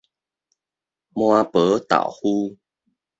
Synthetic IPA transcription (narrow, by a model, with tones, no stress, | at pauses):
mw̃a˧pə˨˦t̪a̰˨˩whu˦